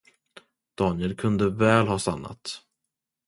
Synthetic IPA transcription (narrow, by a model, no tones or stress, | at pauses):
d̪̥ɑːnjɛlkʰɵnd̪əvɛːlɦɑːsanːa̰t̪